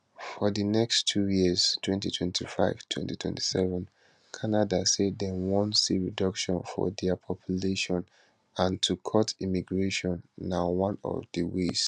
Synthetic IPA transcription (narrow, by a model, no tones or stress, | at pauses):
fɔðinɛkstʰːujiz̥tʰwɛ̃ntitʰwɛ̃ntʰifaɪv̥tʰw̥ɛ̰̃ntitʰwɛ̰̃nti̥sɛvɛ̃n | kʰanadasedɛ̃nwɔ̃nsiɹidɔkʃɔ̃nfɔ̰dɛpʰɔpʰjuleʃɔ̃n | ãntʰukʰɔtʰimiɡɹeʃɔ̃nːawɔ̃nɔ̰vdiwis